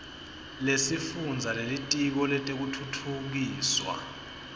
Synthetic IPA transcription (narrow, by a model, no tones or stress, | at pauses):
lesifund͡zʱalelitʼik̬ɔlɛtʼek̬utʰutʰuk̬iːswa̰